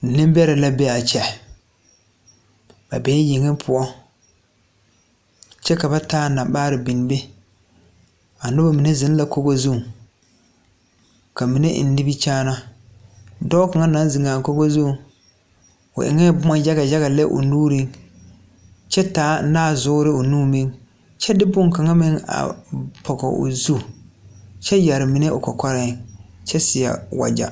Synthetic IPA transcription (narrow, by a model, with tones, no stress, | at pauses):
nɪ̃˦m˦bɛ˦ɾɛ˨la˦bɛ˦a˨t͡ʃɛ˨ | ba̰˨bɛː˨˦jɪ˨ŋɪ˦pʰʊ˦ɔ˦ | t͡ʃɛ˦ka˨ba˦taː˦˨na˨ɓaː˦ɾɪ˨bi˨n˨be˦ | a˨nʊ˦ba˨mi˨ne˦zɪ˦n˦la˨ko˦ɡo˦zu˦˨ŋ | ka˨mi˨ne˦ʔɪ̰˨nː˦ɪ˦bi˦t͡ʃaː˦na˦ | dɔ˦ka˨ŋa˦nã˦n˦zi˨ŋaː˨ŋ˨ko˦ɡo˦zũ˦˨ | ʊ̰˨ʔɪ̰˨ŋɛ˦bʊ˦ma˨ja˦ɡa˨ja˦ɣa˨lɛ˦ʔʊ̰˨nuː˦ɾĩ˦ŋ | t͡ʃɛ˦taː˨˦naː˦˨zʊː˦ɾɪ˦ʊ˨nũː˦mĩ˦ŋ | t͡ʃʰɛ˦dɪ˦bʊ˦ŋ˨ka˨ŋa˦mɪ̃˦ŋa̰˨pʰɔ˨ɡɔ̰˨ʔʊ̰˨zu˦ | t͡ʃɛ˦ja˨ɾɪ˨mĩ˨ne˦ʔʊ̰˨kɔ˨kʰɔ˦ɾɪ˦ŋt͡ʃʰɛ˦sɪ˨a̰˨wa̰˨d͡ʒa̰˨